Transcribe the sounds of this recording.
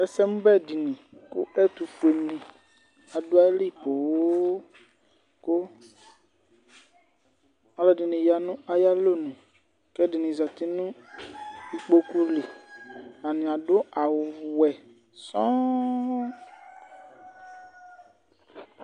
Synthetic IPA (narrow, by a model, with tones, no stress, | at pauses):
ɛ˨sɛ˦mũ˦bɛ˦di˨nĩ˨ko̰˦ʔɛ˦t̪u˨fu˨e˨nĩ˨ | a˨do˦a˦li˦˨po˨˦ | ko˦ | a˦lɔ˦˨di˨nĩ˨ja˨nũ˦a˦ja˦lo˦nũ˨ | kɛ˦di˨nĩ˨za˨t̪i˦nũ˦ | i˨k͡po˦ku˦li˨ | a˨nĩ˨a˨ɖo˦a˨wo˨wɛ˨ | sɔ̃˦